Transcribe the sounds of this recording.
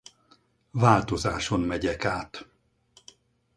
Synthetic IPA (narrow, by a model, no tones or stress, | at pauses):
vaːlt̪o̞zaːʃo̞nmɛɟɛkaːt̪